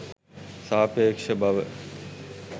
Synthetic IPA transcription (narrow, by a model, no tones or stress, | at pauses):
saːpeːkʃəbɐʋ